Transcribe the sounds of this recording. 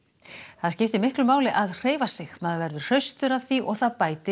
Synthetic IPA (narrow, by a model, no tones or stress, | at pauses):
θaðscɪft̪ɪmɪhklʏmaːwlɪʔaðr̥eːjvasɪɣmaðvɛɾðʏ̥r̥œɥst̪ʏɾaðθiʔɔɣθaðpaːjt̪ɪ